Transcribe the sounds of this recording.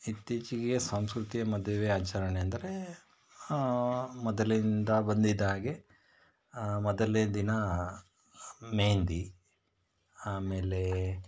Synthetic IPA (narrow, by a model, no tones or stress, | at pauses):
it̪ːiːt͡ʃiɡesɐ̃m̃skɾut̪ijɐmɐd̪ʱjɐʋeːaːt͡ʃɐɾɐɳeɐnd̪ɐɾe | mɔd̪ɐlind̪ɐbɐnd̪id̪aːɡe̞ | mɔd̪ɐleɐd̪inɐ | meːnd̪i | aːmeːle